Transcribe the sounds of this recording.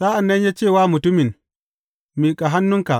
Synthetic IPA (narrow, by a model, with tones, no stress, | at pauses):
sa˦a˨nːa˦nja˦t͡ʃeː˦˨waː˦mu˨tu˦mi˨n | mi˨kʼa˨ɦa˦nːu˦ŋka̰˨